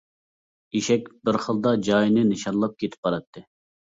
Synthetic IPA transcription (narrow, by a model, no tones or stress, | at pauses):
iʃɛkʲbɪɾχəlˠd̪ɑd͡ʒɑjnɪnɨʃɑnlˠɑp̚kʲʰet̪ʰɪ̥pːɑɾɑt̪ʰːɨ